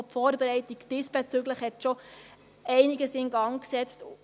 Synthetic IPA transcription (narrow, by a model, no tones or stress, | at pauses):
pfɔːɾbɛɾɛɪtikd̥ɪsb̥ɛt͡syɡləχhɛtʃo | ɛɪniɡəsɪŋɡɑŋksɛt͡st